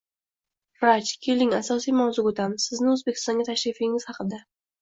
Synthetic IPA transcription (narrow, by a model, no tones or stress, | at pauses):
ɾat͡ʃkʲʰelɪŋasɒsijmawzuot̪amsɪznɪɵzbekʲɪ̥st̪ɒŋɡʲat̪ʰaʃɾɪfɪŋɪz̥hɑqɨd̪a